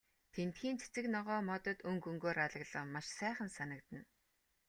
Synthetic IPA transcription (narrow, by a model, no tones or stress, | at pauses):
t̪ʰent̪xiːnt͡sʰet͡sɘ̆knɔʁɔːmɔt̪ɞ̆t̪ɵŋɡɵŋɡoːɾaɮə̆ɣɮə̆qmaʃsæːχə̆nsanə̆kt̪ə̆n